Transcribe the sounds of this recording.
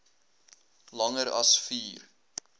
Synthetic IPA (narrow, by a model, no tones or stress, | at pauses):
lɐŋəɾɐ̰sfiːr